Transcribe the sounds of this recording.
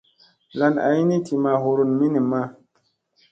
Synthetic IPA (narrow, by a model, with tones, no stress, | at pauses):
la˨na̰˨ji˦ni˦tʰi˨ma˨hu˨ɾu˨nmi˦ni˨ma˦